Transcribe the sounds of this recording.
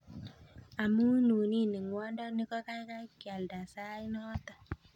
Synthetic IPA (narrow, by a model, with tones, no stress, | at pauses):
a˨mu˦nu˨ni˦˨ni˨ŋwa˦ndɔ˦nɪ˦kɔ˦ka˦jka˦kja˨lda˨sa˦i˦nɔ˦t̪a˨